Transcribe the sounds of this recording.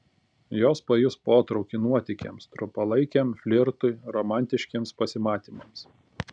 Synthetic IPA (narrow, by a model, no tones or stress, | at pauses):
joːspɐjʊspoːt̪ɾɒʊkʲɪnuɔt̪ʲɪkʲḛˑmst̪ɾʊpɐlˠɐɪkʲemfʲlʲɪɾt̪ʊɪɾɔmɑˑnʲt̪ʲɪʃʲkʲiːmspɐsʲɪmɑːt̪ʲiːmɐms